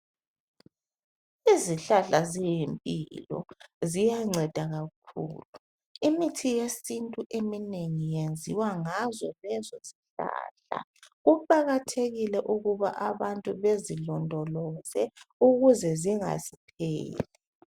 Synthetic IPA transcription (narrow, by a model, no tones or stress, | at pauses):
iziɬaɬazijimpʼḭlɔ̰zijaŋ͡ǀʱɛd̥ʱaɣakʰṵːlu | imitʰijesintʼuʔemineŋijend͡zʱiwaŋazɔlɛzosi̥ɬa̰ːɬa̰ɣupʼaɣatʰeɣilɛʔuɣuβaʔaβantʼuβezilɔndʱɔlɔzɛuɣuzɛziŋa̰zipʰeːlɛ